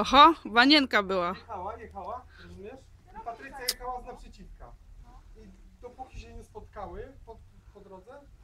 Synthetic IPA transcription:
ɔxɔvaɲɛŋkabɘwaawajɛxawaɾuvmʲɲɛʂ | pat̪ɾɘt̪sʲjajɛxawaznapʂɛt͡ɕifkaid̪ɔpukʲiɕɛɲɛspɔt̪kawɛpɔpɔd̪ɾɔd̪zɛ

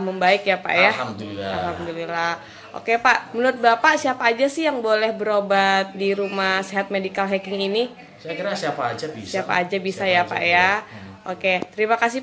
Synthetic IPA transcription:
məmbaɪkjapa̰ʔjamduiaa̰lɦamd̪ulilah | ʔo̰kepaʔmənuɾʊt̪̚bapasiapaːd͡ʒasɪhjaŋbolɛhbəɾobat̪̚diɾumahseɦat̪̚medikalɦɛkɪŋini | sajakiɾasiapaːd͡ʒabissiapa̰ːd͡ʒabisajapa̰ʔjaʔoket̪əɾimakas̬i

